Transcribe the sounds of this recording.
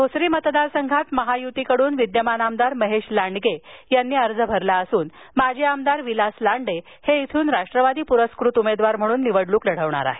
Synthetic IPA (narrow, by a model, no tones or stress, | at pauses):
ɡʱosɾiːmət̪d̪aɾsəŋɡʱat̪məɦajut̪ikəɽuːnʋid̪jəmanamd̪aɾməɦeɕlaɳɖɡejanːiːəɾd͡zəbʱəɾlaəsuːn | mad͡ʑʱeamd̪aɾʋilaslaɳɖe | heit̪ʰuːnɾaʂʈɾəʋad̪iːpuɾəskɾut̪umed̪ʋaɾm̤əɽ̃uːnːiʋəɽluːkləɽ̤əʋɳa̰ɾa̰ɦe